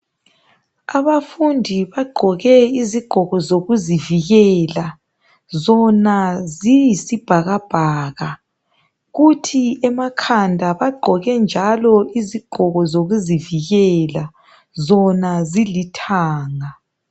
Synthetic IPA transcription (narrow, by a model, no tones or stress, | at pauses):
aβafundʱiβaɡ͡ǃʱɔɣɛiziɡ͡ǃ̥ʱɔɣɔzoɣuziviɣɛla | zɔnazijisib̥ʱaɣab̥ʱaːɣa | ɣutʰiɛmakʰandʱaβaɡ͡ǃʱɔɣɛnd͡ʒʱalɔiziɡ͡ǃ̥ʱɔɣɔzoɣuziviɣɛla | zɔnazilitʰaːŋa